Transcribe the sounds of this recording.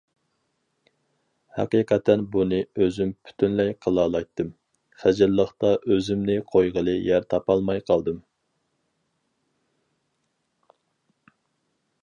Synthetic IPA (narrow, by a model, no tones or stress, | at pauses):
hɛ̰qiqʰɛt̪ʰɛnbunɨøzympʰy̥t̪ʰynlɛjqʰəlˠɑːlˠɑjt̪ʰːɨm | χæd͡ʒɪlːəχt̪ɑʔøzymnɪqʰojʁəlˠɨjæɾt̪ʰɑpɑlˠmɑjqʰɑlˠd̪ɨm